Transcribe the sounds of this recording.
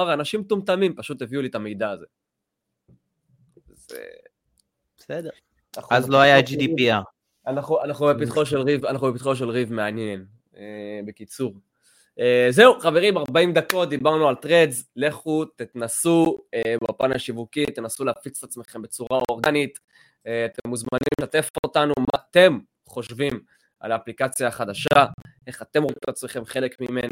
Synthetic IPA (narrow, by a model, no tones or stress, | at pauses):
aʁanaʃimt̪umt̪amimpaʃut̪e̞viulit̪amejd̪aːze̞̰ | zḛ | b̥esed̪eʁ | aχaazloajad͡ʒid̪ipia | anaχuanaχnubepit̪χoʃ̬elʁivanaχnubep̬it̪χoʃe̞lʁivmeanjen | ebe̞kit͡suʁ | eze̞uχave̞ʁimaʁbaimd̪ako̞t̚d̪ibaʁnualtʁezle̞χut̪it̪nasuebapanaʃivukit̪e̞nasuleafit͡se̥t̪at͡smeχe̞mbe̞t͡suʁao̞ʁɡanit̪ | eat̪emːuzmanimeat̪e̞fotanumat̪e̞m | χo̞ʃvim | a̰laːplikat͡sjaχad̪aʃae̞χat̪e̞mʁotat͡smeχe̞mχe̞le̞kmime̞na